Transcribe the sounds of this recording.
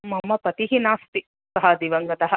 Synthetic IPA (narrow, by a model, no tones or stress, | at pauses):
mɐmɐpɐt̪iɦinaːst̪i | sɐɦɐd̪iʋɐŋɡɐt̪ɐɦɐ